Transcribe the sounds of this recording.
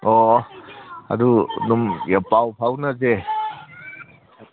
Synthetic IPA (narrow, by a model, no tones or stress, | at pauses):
ɔ | a̰dunumjapawpʰawnɐze